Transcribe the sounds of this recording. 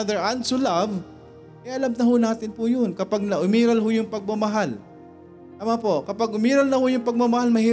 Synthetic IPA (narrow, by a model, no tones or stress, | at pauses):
d̪ɛɹʔansʊlav | kɐjaʔɐlamnɐhʊnaːt̪ɪnpʊjonkɐpaɡ̚nɐʔʊmiːɾɐlhojʊŋpɐɡ̚mɐmɐɦal | t̪amaːpo̞kɐpaɡʔʊmiːɾɐlnɐhojʊŋpɐɡ̚mɐmɐhalmɐhi